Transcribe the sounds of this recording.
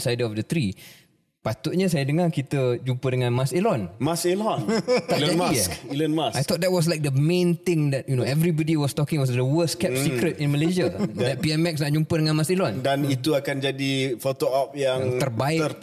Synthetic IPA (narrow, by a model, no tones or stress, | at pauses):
sajdəɔfdət̪ɾi | pat̪ʊʔ̚ɲas̬ajadəŋarkit̪əd͡ʒumpədəŋãnmaselɔnmaselɔnad͡ʒamiilənmasʔajt̪ɔt̪̚dɛt̚wɔs̬lajk̚dəmẽnt̪ɪ̃ŋdɛt̚junoɛvɾibɔdiwɔst̪ɔkɪ̃ŋwɔsdəwəskɛsikɾətɪ̃nməleʃaddɛt̚piɛmɛksnaʔ̚d͡ʒumpədəŋãnmasilɔndanit̪uakand͡ʒadifot̪oap̚jaŋt̪ərbaɪ